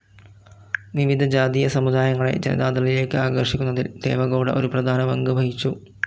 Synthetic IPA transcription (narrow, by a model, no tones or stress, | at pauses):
ʋiʋid̪ʱɐd͡ʑaːd̪ijɐsɐmud̪aːjɐŋːɐɭe̞̰d͡ʑɐnɐ̰d̪aːd̪ɐlile̞ːkːɨaːɡɐrʂikʲːunːɐðild̪e̞̰ːʋɐɣoːɽɐ̰ʔo̞ɾuprɐd̪ʱaːnɐʋɐŋɡɨbʱɐɦit͡ɕːu